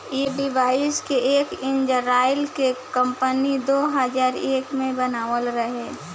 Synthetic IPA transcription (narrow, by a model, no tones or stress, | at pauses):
eɖibaːɪskeʔeːkɪ̃nd͡ʒəɾaːjɪlkekə̃mpənid̪oːɦəzaːɾeːkmẽbənaːʋəlɾəɦeː